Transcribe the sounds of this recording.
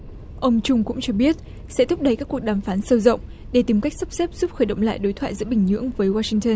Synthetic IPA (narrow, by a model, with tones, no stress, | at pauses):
ʔə˧wŋ͡mt͡ɕʊ˧ŋ͡mkʊ̰˧˥ŋ͡mt͡ɕɔ˧ɓi˦˥ət̚ | sɛ̰˧˥t̪ʰʊ˦˥p̚ɗə˧jkaː˦˥kːu˨˩ək̚ɗaː˨˩mfaː˨˦nsə˧wzə̰˧˨wŋ͡m | ɗe˧˩t̪i˨˦mka˦˥jk̟̚sə˦˥p̚sɛ˦˥p̚z̥u˦˥p̚xəː˧˩jɗə̰˧˨wŋ͡mla̰ː˧˨jɗoː˨˦jt̪ʰwaː˧˨zɨ̰˧˥ɓï˨˩ŋ̟ɲɨ̰˧˥əŋvəː˨˦jwaː˧sï˧ŋt̪əː˧n